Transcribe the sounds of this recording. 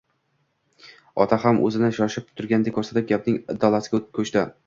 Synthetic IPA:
ɒ̰t̪ʰahamʔɵ̰zɪnɪʃɒʃɪp̚t̪ʰʊ̥t̪ʰʊɾɡʲand̪ekʰːɵɾsat̪ɪp̚ɡʲap̚nɪŋɪd̪ːɒlˠasɪ̥ɡʲkʰɵt͡ʃt̪ɪ

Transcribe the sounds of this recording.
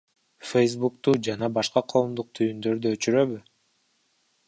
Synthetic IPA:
fejs̬bukt̪uːd͡ʒɑnɑbɑʃqɑqʰo̞ːmd̪uq̚t̪ʰyjynd̪ø̞ɾd̪yøt͡ʃyɾø̞βy

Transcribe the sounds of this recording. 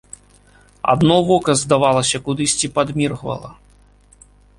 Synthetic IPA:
a̰d̪nɔvɔkɐzd̪avalˠɐsʲɐkud̪ɨsʲt͡sʲipad̪mʲirɣvɐ̰lˠɐ̰

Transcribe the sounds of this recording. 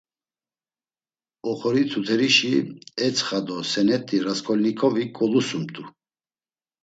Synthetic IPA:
ɔχɔɾit̪ʰut̪ʰɛɾiʃiɛt͡sʰχad̪ɔsɛnɛt̪ʼiɾaskʰʼɔlnikʰʼɔvikʼɔlusumt̪ʼu

